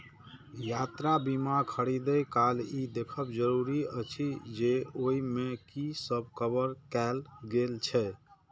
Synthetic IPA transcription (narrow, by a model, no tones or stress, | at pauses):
jat̪ɾabimakʰəɽid̪əjkalid̪ekʰəbd͡ʒəɾuɾiət͡ʃʰid͡ʒeoimekisəb̚ʱkəbəɾkɛlɡelt͡ʃʰɛ